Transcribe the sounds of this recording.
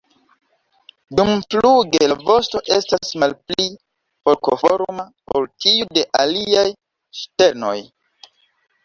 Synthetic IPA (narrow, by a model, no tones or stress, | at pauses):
dumfluɡelavo̞sto̞ʔe̞stasmalpli | fo̞ɾkofo̞ɾmapoltijude̞ʔaliaj | ʃte̞ɾno̞̰j